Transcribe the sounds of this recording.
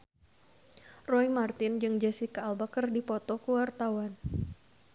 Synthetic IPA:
rɔimart̪ɪnd͡ʒɨŋd͡ʒɛsikaːlbakərdipɔt̪ɔkəwart̪awan

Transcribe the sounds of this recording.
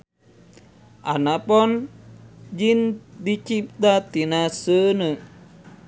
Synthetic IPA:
ʔa̰napɔn | d͡ʒind̪it͡ʃip̚t̪at̪inasənəʔ

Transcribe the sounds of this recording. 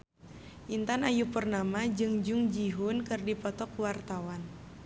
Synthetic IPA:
ʔint̪anajupərnamad͡ʒɨŋd͡ʒʊŋd͡ʒiɦʊnkɨrdipɔt̪ɔkwart̪awan

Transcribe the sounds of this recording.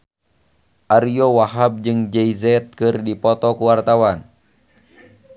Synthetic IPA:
ʔaɾiowaɦab̚d͡ʒɨŋd͡ʒɛizɛt̪̚kɨrdipɔt̪ɔkuwart̪awan

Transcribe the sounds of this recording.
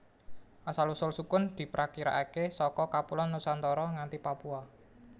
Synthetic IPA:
ʔasalusʊlsukʊnd̪̥i̤pɾʔakiɾa̰ʔakesɔkɔkapulɔnːusant̪ɔɾɔŋant̪ipapua

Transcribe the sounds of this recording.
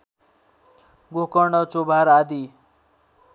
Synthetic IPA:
ɡokʌɳʌt͡sobʱaɾad̪i

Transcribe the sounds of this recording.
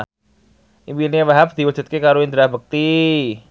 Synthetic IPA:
ʔimpinwaɦap̚d̪̥iwḁd͡ʒ̥ṳt̪̚kekaɾoind̪əɾahbək̚t̪i

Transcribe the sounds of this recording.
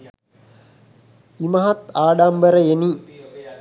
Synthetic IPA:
imɐɦɐt̪aːɖambəɾəeni

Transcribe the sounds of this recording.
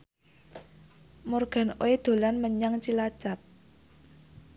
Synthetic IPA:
morɡ̥a̤no̰ed̪̥o̤lanməɲaŋt͡ʃilḁt͡ʃap̚

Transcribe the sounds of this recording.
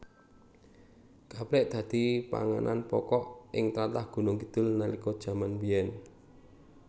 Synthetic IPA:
kaplɛʔd̪̥ä̤d̪̥i̤pa̰ŋanʔa̰npɔkɔʔɪŋt̪at̪ahɡ̥ṳnʊŋkid̪̥ʊ̤lnalikɔd̥ʒ̥ä̤manbijɛn

